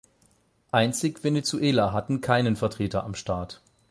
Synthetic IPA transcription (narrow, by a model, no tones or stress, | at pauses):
ʔaɪnt͡sɪçv̥enet͡suʔeːlaɦatn̩kʰaɪnənfɛɐtʁ̥eːtɐʔamʃtaːɐt